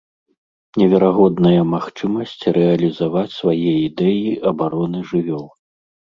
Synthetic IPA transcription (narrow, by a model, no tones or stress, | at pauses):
nʲɛvʲɛɾaɣɔd̪nɐjɐmaxt͡ʂɨmɐsʲt͡sʲrʔɛɐlʲizavat͡sʲsvajɛid̪ɛjiʔɐbaɾɔnɨʐɨvʲɔlˠ